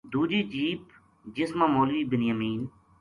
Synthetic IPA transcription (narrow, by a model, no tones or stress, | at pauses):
d̪uːd͡ʒiːt͡ʃiːp | d͡ʒɪsmãːmoːlʋiːbɪnjəmiːn